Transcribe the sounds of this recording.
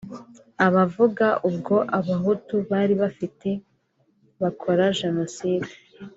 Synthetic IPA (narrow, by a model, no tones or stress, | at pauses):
aβavuɡaʔubɡo̞ʔaβaɦutuβaːɾiβafite̞ | βakʰo̞ɾaʒe̞no̞siːde